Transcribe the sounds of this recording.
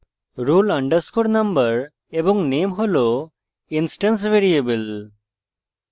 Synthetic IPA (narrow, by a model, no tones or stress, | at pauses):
ɾulɐɳɖəɾskoɾnɐmbəɾ | ebɔŋnemɦolo | insʈəns̬ʋeɾiebəl